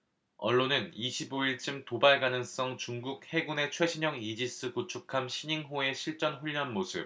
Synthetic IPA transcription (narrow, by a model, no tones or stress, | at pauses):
ʌ̰ɭːonɯniɕʰiboiɭt͡ɕ͈ɯmtobaɭɡanɯŋs͈ʌŋt͡ɕuŋɡuk̚he̞ɡune̞t͡ɕʰwe̞ɕʰiɲʌŋid͡ʑis͈ɯkut͡ɕʰukʰamɕʰiɲiŋɦoe̞ɕʰiɭt͡ɕ͈ʌnɸuʎːʌnmosʰɯ̰p̚